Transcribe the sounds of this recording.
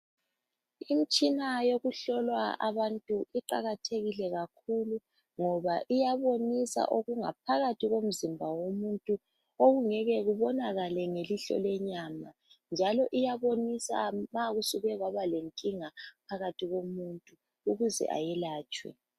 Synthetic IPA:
im̩t͡ʃʼinajoɣuɬɔlwaa̰βantʼuʔiǃaɣatʰeɣilɛɣakʰulu | ŋɔβaʔijaβonisa̰ʔoɣuŋa̰p̚ʰaɣatʰiɣom̩zimbʱawomuntʼu | oɣuŋɛɣɛɣuβɔnaɣalɛŋeliɬɔ̰lɛɲamand͡ʒʱalɔʔijaβonisa̰maɣusuɣɛɣwaβaleŋkʼiŋapʰaɣatʰiɣomuntʼuː | ɣuzɛ̰ʔa̰jɛlaːt͡ʃʼwɛ̰

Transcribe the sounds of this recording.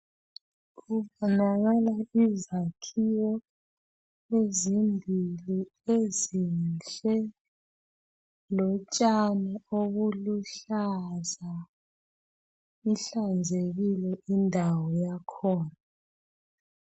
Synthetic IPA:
ɣuβɔnaɣalaizakʰiwɔ | ezimbʱili | ezinɬʼɛ | lɔt͡ʃʼanɛoɣuluɬaza | iɬand͡zʱeɣilɛindʱawɔjakʰɔːna

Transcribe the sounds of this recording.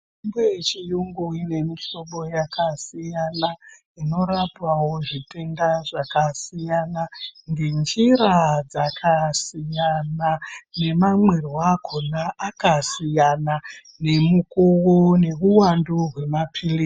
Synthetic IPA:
imbejet͡ʃijuŋɡuine̞miʃo̞ɓo̞jakʰasijana | ino̞ɾapawo̞ʐite̞ndaʐakasijanaŋɡend͡ʒiɾad͡zakʰasijanane̞mamwerwakʰonaʔakasijana | ne̞mukowone̞ruwanduɦwe̞mapʰili

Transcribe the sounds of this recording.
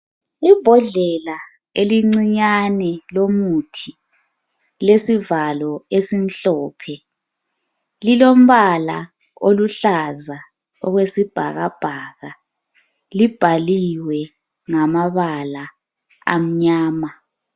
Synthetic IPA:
ib̥ʱɔɮɛla | eliŋ͡ǀiɲanɛlomutʰi | lesivalɔesinɬɔːpʰɛ | lilom̩βala | oluɬaza | ɔɣwesib̥ʱa̰ɣab̥ʱaːɣa | lib̥ʱaliwɛ | ŋamaβala | a̰m̩ɲaːma

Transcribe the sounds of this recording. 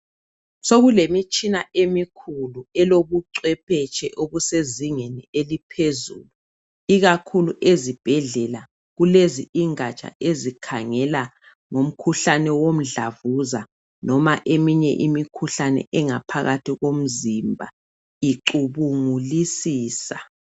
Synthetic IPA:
soɣulemit͡ʃʼʰinaʔemikʰuluɛloβuǀwɛpʰɛt͡ʃʰʼɛʔoβuseziŋenielipʰezṵːlu | iɣakʰuluʔezib̥ʱɛɮɛla | ɣuleziiŋat͡ʃʰʼa̰ezikʰaŋɛla | ŋom̩kʰuɬanɛwom̩ɮavuza | nɔmaʔemiɲɛ̰ʔimikʰuɬanɛ̰ʔɛŋapʰaɣatʰiɣom̩zimbʱa̰ | iǃuβuŋulisiːsa

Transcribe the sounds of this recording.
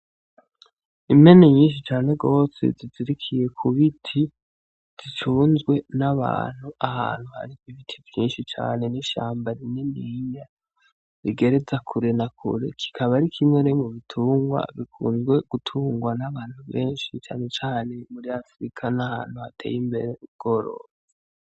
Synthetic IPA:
ime̞neɲiːnʃ̬it͡ʃaːne̞ɡo̞ːsḛziziɾikʰije̞kʰuβitʰi | z̥it͡ʃuːnzɡwe̞naβa̰ːn̥huaha̰ːn̥huha̰ɾiiβitʰivjiːnʃit͡ʃa̰ːne̞niʃa̰ːmbaɾineniɲa | βiɡe̞ɾe̞zakʰuɾe̞nakʰṵɾe̞̰kʰi̥kʰaβaɾikʰimwenemuβitʰuːŋɡwa̰βikʰṵːnzɡwe̞ɡ̥utʰuːŋɡwanaβaːn̥huβeːnʃit͡ʃa̰ːne̞t͡ʃaːne̞muɾiafɾikʰanaha̰ːn̥huhatʰe̞̰ːjimbe̞ɾeuβ̚ɡo̞ɾo̰ːze

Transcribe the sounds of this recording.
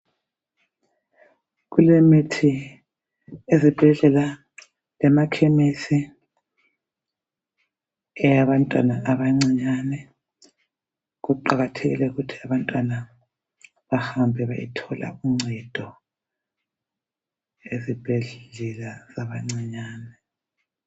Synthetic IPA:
ɣulemitʰi | ezib̥ʱɛɮɛla | lɛmakʰɛmisi | ɛjaβantʼwanaʔaβaŋ͡ǀiɲanɛ | ɣuǃaɣatʰeɣḭlɛuɣutʰiaβantʼwana | βahambʱɛβajḭtʰɔla̰uŋ͡ǀɛd̥ʱɔ | ezib̥ʱɛɮɛlazaβaŋ͡ǀiɲaːnɛ

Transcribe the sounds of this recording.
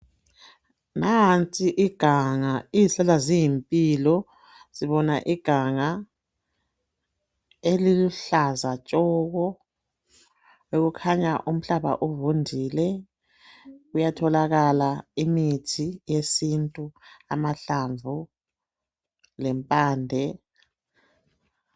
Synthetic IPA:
naɦnt͡sʼiʔiɡ̥ʱaŋaiisɛlazijimpʼilɔ | z̥iβɔnaʔiɡ̥ʱaŋa | eliluɬazat͡ʃʼɔːɣɔ | weɣukʰaɲaʔum̩ɬaβa̰ʔuvundʱiːlɛ | ɣujatʰɔlaɣalaimitʰijesintʼuamaɬaɱvʱu | lɛmpʼaːndʱɛ

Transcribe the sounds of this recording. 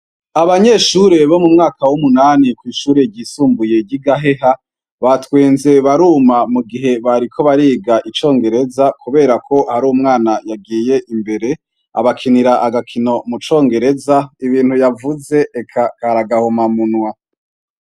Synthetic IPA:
aβaɲe̞ːʃuːɾe̞βo̞mumŋaːkawumunaːnikwiːʃuːɾe̞ɾɟiːsuːmbuje̞ɟiɡaɦeɦa | βatwe̞ːnze̞βaɾuːmamuɡiɦe̞βaɾikʰo̞βaɾiːɡaʔit͡ʃo̞ːŋɡe̞ɾe̞zakuβe̞ːɾakʰo̞haɾuːmŋaːnajaɡiːje̞ʔimbe̞ɾe̞ | a̰βakʰiniɾaʔaɡakʰino̞mut͡ʃo̞ːŋɡe̞ɾe̞zaiβiːnhujavuze̞ʔːkʰakaɾaɡahomamunwa

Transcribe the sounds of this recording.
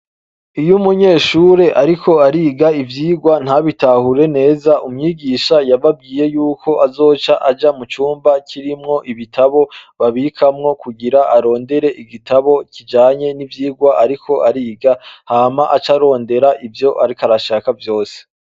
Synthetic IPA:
ijumuɲe̞ːʃuɾe̞ʔaɾikʰo̞aɾiːɡaivjiːɡwan̥haβitahuɾe̞ne̞ːzaʔumɲiːɡiːʃajaβab̚ɡiːje̞juːkʰo̞ʔazo̞ːt͡ʃaʔad͡ʒamut͡ʃuːmbacʰiɾimŋo̞ʔiβitʰaβo̞βaβikʰamŋo̞kuɡiɾaʔaɾo̞ːnde̞ɾe̞ʔiɡitaβo̞cid͡ʒaːɲe̞nivjiːɡwaʔaɾikʰo̞ʔaɾiːɡahaːmaʔat͡ʃaɾo̞ːnde̞ɾaʔivjo̞ʔaɾikaɾaʃakavjo̞ːse̥

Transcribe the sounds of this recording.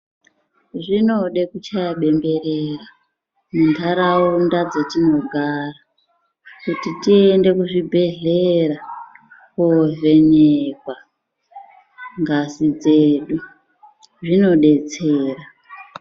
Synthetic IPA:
ʐino̞ɗekut͡ʃajaɓe̞mbe̞rera | mundʰʱaɾawundad͡zatino̞ɡʱara | kutitiende̞kuʐibʱe̞ɮeɾa | kove̞nekwa | ŋɡasid͡zeɗu | ʐino̞ɗe̞t͡seːra

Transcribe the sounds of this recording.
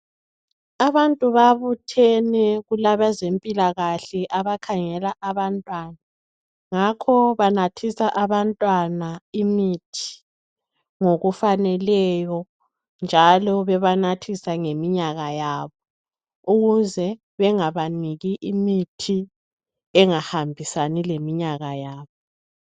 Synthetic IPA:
aβantʼuβaβutʰɛnɛɣulaβazempʼilaɣaɬɛʔaβakʰaŋɛlaʔaβantʼwana | ŋakʰɔβanatʰisaʔaβantʼwanaimitʰi̥ | ŋoɣufanɛlɛjɔ | nd͡ʒʱalɔβɛβanatʰisaŋemiɲaɣajaːβɔ | uɣuzɛ | βɛŋaβaniɣiʔimitʰi | ɛŋahambʱisanilemiɲaɣajaːβɔ

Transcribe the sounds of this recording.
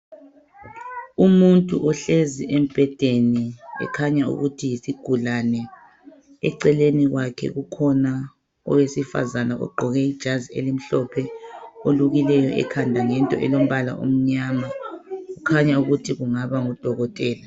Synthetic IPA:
umuntʼṵʔɔɬeziʔem̩b̥ʱɛd̥ʱeniɛ̰kʰaɲaṵɣutʰijisiɡ̥ʱulanɛ | ɛ̰ǀɛleniɣwakʰɛ̰ɣukʰɔna | ɔ̰wesifa̰zanaʔɔ̰ɡ͡ǃʱɔɣɛid̥ʒ̥ʱazielim̩ɬɔpʰɛoluɣilɛjɔʔɛ̰kʰandʱaŋɛntʼɔʔɛlom̩βala̰ʔṵm̩ɲaːmaukʰaɲauɣutʰiɣuŋaβaŋud̥ʱɔɣɔtʼɛːla

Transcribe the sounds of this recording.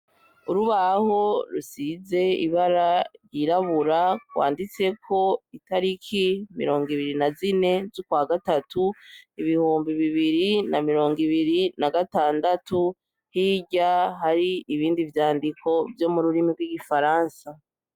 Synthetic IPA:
uɾuβaho̞ɾusize̞ḭβaɾaɾjiːɾaβuɾakwa̰ːndit͡se̞kʰo̞itaɾikʰimḭɾo̞ːŋɡiβiɾinazine̞zokwaːɡatatuiβihuːmbiβiβiɾinamiɾo̞ːŋɡiβiɾinaɡataːndatu | hiːɟaɦaɾiiβiːndivjaːndikʰo̞vjo̞muɾuɾimiɡwiɡifaɾaːnsa

